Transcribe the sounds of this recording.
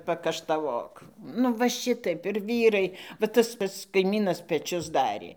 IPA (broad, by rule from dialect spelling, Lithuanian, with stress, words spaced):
pɐkɐʃtɐˈʋoːk nʊ ˈʋɐ ˈʃʲɪtɐɪp ɪr ˈʋʲiːrɐɪ ʋɐ ˈtɐs ˈpɐts kɐɪmʲiːnɐs pʲɛˈt͡ʃʲʊs ˈdɑːrʲeː